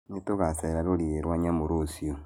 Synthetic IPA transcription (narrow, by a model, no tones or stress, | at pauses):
nitoɣaseɾaɾoɾieɾwaɲamoɾosio